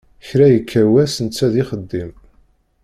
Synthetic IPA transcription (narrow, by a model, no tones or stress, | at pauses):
çɾæjəkʰːæwæsənt͡sːæðɪχəd̪ːim